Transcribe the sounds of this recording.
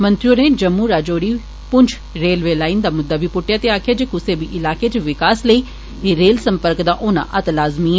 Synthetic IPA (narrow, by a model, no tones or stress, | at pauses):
mə̃nt̪ɾioːneːd͡ʒəmːuːɾaːd͡ʒoːɽiː | pʊɲt͡ʃʰ | ɾeːlʋeːlaːind̪aːmʊd̪ːaːbiːpʊʈːɪjaːt̪eːaːkʰejaːd͡ʒekʊseːbiːʔɪlaːkeːt͡ʃʋɪkaːsləiː | eːɾeːlsəmpəɾkd̪aːʔoːnã̰ːʔət̪laːzmiːɛ